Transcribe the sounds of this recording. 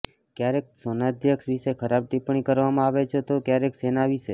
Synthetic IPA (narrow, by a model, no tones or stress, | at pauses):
kjaɾek̚sonad̪ʱjəkʃʋiʃekʰəɾab̚ʈipɳ̃ikəɾʋamãaʋet͡ʃʰet̪okjaɾeksenaʋiʃe